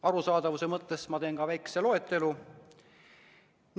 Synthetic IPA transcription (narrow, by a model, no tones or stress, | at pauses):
ɑɾusɑːd̪̥ɑvusemɤt̪ːˑe̞smɑt̪e̞ːnkɑvæjke̥se̞lo̞e̞t̪ːˑelu | n